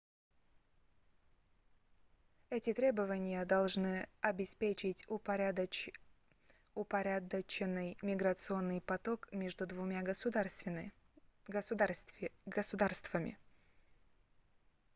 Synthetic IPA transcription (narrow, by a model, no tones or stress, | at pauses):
ɛtʲɪt̪ɾʲe̞bəvənʲɪjəd̪ɐlˠʐnɨɐbʲɪspʲet͡ɕɪtʲ | ʊpɐɾʲad̪ət͡ɕɪnːɨjmʲɪɡɾət̪sɨo̞nːɨjpɐt̪o̞kmʲeʐd̪ʊd̪vʊmʲa | ɡəsʊd̪arst̪vəmʲɪ̰